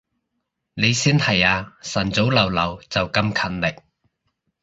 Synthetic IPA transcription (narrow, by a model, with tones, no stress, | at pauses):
ne˨˧jsiː˥nhɐ˨˩jaː˧sɐ˨˩nt͡so˨˥wlɐ˨˩wlɐ˨˩wt͡sɐ˨wkɐ˧mkʰɐ˨˩nlɪ˨˩k̚